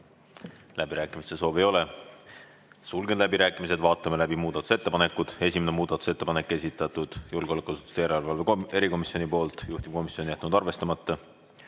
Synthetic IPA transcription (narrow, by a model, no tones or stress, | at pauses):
læb̥iɾæːkːˑimist̪e̞so̞ːviejo̞le̞ | sulɡend̪læbiɾæːkːˑimise̞d̪vɑːt̪ːˑɑmelæbimuːd̪̥ɑt̪u̥se̞t̪ːepɑne̞kːˑud̪̥e̞sʲimenemuːd̪̥ɑt̪use̞t̪ːe̞pɑne̞kˑːe̞sʲit̪ːˑɑt̪ud̪̥julɡ̥eo̞lækuɑsu̥t̪ːu̥st̪ejæɾelvɑlvee̞ɾiko̞misjo̞nipo̞ːlt̪ˑjuht̪im̥̚ko̞misjonijæt̪nud̪̥ɑrve̞st̪ɑmɑt̪ːɑ